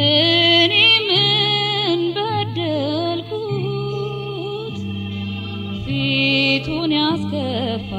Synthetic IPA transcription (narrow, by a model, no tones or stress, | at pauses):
ɨnemɨ | nbəd̪əlkʰu | t̪ | fit̪ʰunjaskəbːa